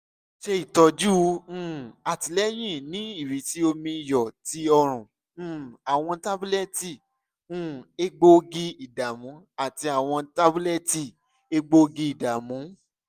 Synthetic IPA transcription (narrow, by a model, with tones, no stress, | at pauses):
ʃe˧i˨tɔ˧d͡ʒũ˦˨a˨ti˨˧lɛ˦j̃ĩ˦˨nĩ˨˦i˦˨ɾi˨˦ti˨˦o˧mĩ˧jɔ˨ti˧˦ɔ˧ɾ̃ũ˨˦˨ | a˨w̃ɔ̃˧ta˦bu˦lɛ˦˨tĩ˦˨˦ | e˦ɡ͡bo˦ɡi˧i˨da˨mũ˨˦a˦˨ti˧a˨w̃ɔ̃˧ta˦bu˦lɛ˦ti˦˨ | e˧ɡ͡bo˧ɡi˧˦i˨da˨mũ˨˦